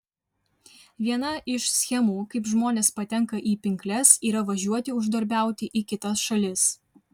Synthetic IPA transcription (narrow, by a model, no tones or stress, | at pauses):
ʋʲiɛnɐʔɪʃsʲxʲɛmuːkɐɪpʒmoːnʲeːspɐt̪ʲɛŋkɐʔiːpʲɪŋʲklʲɛsiːɾɐʋɐʒʲuɔt̪ʲɪʊʒd̪ɐɾʲbʲæˑʊt̪ʲɪʔiːkʲɪt̪ɐsʃɐlʲɪs